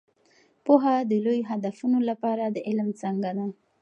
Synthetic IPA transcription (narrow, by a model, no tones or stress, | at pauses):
poɦad̪əlojoɦad̪afunolapɑɾad̪əʔɪlmt͡səŋɡad̪a